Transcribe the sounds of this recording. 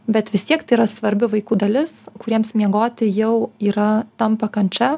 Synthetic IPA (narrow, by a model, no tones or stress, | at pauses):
bʲɛt̪ʋʲɪst̪ʲiɛkt̪ɐɪiːɾɐsʋɐɾʲbʲɪʋɐɪkuːd̪ɐlʲɪskʊɾʲiɛmsmʲiɛɡoːt̪ʲɪjɛʊiːɾɐt̪ɐmpɐkɐnʲt͡ʃʲɛ